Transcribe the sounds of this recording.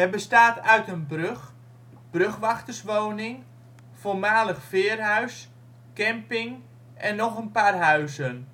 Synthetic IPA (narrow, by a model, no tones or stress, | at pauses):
ɛrbəstaːtœɥtənbrøx | b̥røxʋaxtərsʋownɪŋ | foːrmaːləxfɪərɦœɥs | kɛmpɪŋ | ʔɛnːɔxənpaːrɦœɥsən